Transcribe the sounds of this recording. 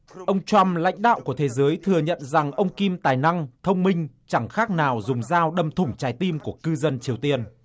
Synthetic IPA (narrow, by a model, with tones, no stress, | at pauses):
ʔə˧wŋ͡mt͡ɕwa˧mla̰˧˥jŋ̟ɗa̰ː˧˨wku˧˩ət̪ʰe˨˦zəː˨˦jt̪ʰɨ˨˩əɲə̰˧˨nza˨˩ŋʔə˧wŋ͡mki˧mt̪aː˨˩jna˧ŋt̪ʰə˧wŋ͡mmï˧ŋ̟ | t͡ɕa˧˩ŋxaː˦˥k̚naː˨˩wzʊ˨˩ŋ͡mzaː˧wɗə˨˩mt̪ʰʊ˨˧˩ŋ͡mt͡ɕaː˨˦jt̪i˧mku˧˩əkɨ˧zə˧nt͡ɕi˨˩əwt̪i˧ən